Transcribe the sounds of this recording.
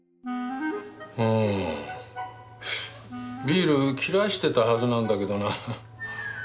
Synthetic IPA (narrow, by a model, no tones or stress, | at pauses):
ɯ̃ | bʲiːɾɯ̟kʲʰiɾaɕi̥t̪e̞t̪ahazɨnãnd̪ake̞d̪o̞na